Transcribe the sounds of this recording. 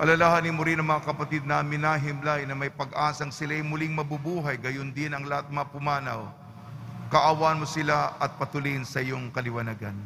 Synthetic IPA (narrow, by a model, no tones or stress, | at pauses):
ʔɐlɐlaɦaninmoɾinɐŋmɐŋakɐpɐt̪id̪̚namɪnaɦɪmlajnɐmɐjpɐɡʔaːsɐŋsɪlajmʊliŋmɐbubuːɦɐjɡɐjond̪ɪnɐŋlɐhat̪̚mɐpʊmaːnɐw | kɐʔawaɐnmosɪlaʔɐt̪̚pɐt̪ʊlinsɐʔɪjoŋkɐlɪwɐnaɡɐ̰n